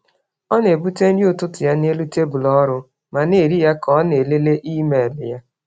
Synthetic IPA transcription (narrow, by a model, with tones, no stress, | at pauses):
ɔ˦n˦e˨bu˦te˦n̩˦di˦ʊ˦˨tʊ˦tʊ˨ja˦n˦e˦lu˦te˦bʊ˨lɔ˦ɾʊ˦ | ma˨ne˨ɾi˦ja˦kɔ˦ne˨le˦le˦ʔi˦me˨lɪ˨ja˦